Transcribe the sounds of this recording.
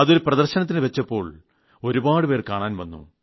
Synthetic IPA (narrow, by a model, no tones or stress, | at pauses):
ɐðo̞ɾuprɐðɐrɕɐnɐt̪̬ːinɨʋɐt͡ɕːɐpːo̞ːɭ | o̞ɾubaːɽɨpeːrkaːɳaːnʋɐnːṵ